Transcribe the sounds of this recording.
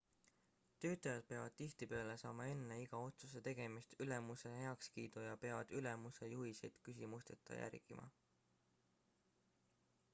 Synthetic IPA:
t̪ø̞ːt̪ˑɑjɑd̪̥̚peɑvɑd̪̥̚t̪iht̪ipe̞ɑle̞sɑ̰ːmɑe̞nːe̞iɡ̥ɑo̞t̪suse̞t̪e̞ɡ̥e̞mist̪yle̞muse̞ɦe̞ɑkskiːd̪ujɑpe̞ɑvɑd̪̥ylemuse̞juhisejd̪̥kysʲimust̪e̞t̪ʰˑːɑ̰jæ̰rɡ̥ḭmʔɑ̰

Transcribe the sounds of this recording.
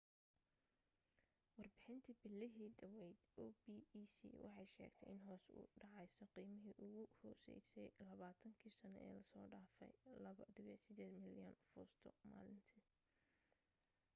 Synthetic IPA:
wɑrbɪħɪnt̪ʰɐbɪlːɪɦiːɖɐwɛjd̪ɔbiːsḭwʔɑ̰ħɑjʃɛ̰ːɡt̪ʰɛjʔɪnɦɔːsṵːɖɑʕɑjsɔqiːmɪɦiːʔʊɣʊhɔːsɛ̰jsɛjlɐβaːt̪ʰɐŋkʰiːsɐnɔʔɛ̰ːlɐsɔːɖaːfɛ̰jlɐβɐd̪ɪβɛːd̪sɪd̪eːd̪mɪljɔnfɔːst̪ʰɔ̰ma̰ːlɪnt̪ʰi

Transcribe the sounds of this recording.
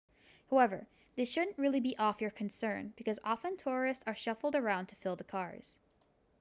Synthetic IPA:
haʊɛvə̰˞ | ðɪsʃʊdⁿn̩ʔɹɪlˠibiʔɔfjə˞kʰɨ̃n̩sɜ̃˞nb̥ɨkʰʌzɑfɨ̃ntʰʊɹɨstsə˞ʃʌfl̩ˠdə˞ãʊ̃ntʰɨfɪlˠðəkʰɑɹz̥

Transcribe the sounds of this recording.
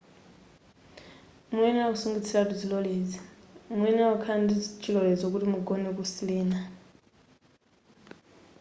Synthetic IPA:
muwɛniausuŋɡit͡sʰilatud͡zilɔled͡zimuɛniaukʰandit͡ʃʰilɔlɛd͡zok̬utimuɡɔnɛk̬usilɛːna

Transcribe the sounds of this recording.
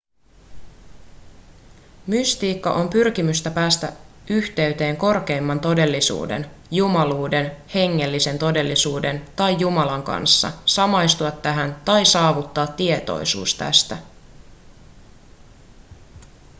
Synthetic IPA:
myst̪iːkːɑ̰ʔo̞mpyrk̟imyst̪æpæːst̪æ̰ | yçt̪e̞yt̪e̞ːŋko̞rke̞jmːɑnt̪o̞de̞lːisṵːde̞̰njumɑluːde̞nhe̞ŋːe̞lːise̞nt̪o̞de̞lːisuːde̞nt̪ɑjːumɑlɑŋkɑ̰nsːɑ̰sɑmɑjst̪uɑt̪ːæɦænt̪ɑjsɑːʋut̪ːɑːt̪ːie̞t̪o̞̰jsṵːst̪æ̰st̪æ

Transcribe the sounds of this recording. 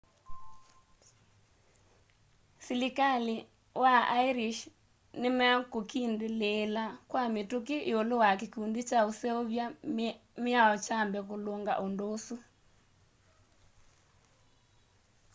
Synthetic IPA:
silikali | waaiɾiʃ | nemɛkokindeleːlakwametuk̬eʔiolowakekundit͡ʃaosɛoβjamjaɔt͡ʃambɛkoloŋɡa̰ʔondosu

